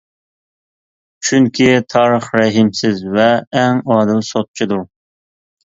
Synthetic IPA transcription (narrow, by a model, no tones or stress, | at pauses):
t͡ʃʰyŋkʲʰit̪ʰɑːɾəχɾɛɦɪmsɪzvɛːŋɑːd̪ɨlsot̪̚t͡ʃʰid̪uɾ